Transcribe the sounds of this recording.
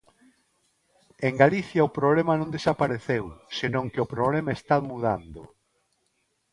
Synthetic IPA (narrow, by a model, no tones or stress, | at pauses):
eŋɡaliθjaʊpɾoβlemɐnõnd̪esapaɾeθewsenõŋkeʊpɾoβlemaest̪amuða̰nd̪ʊ̰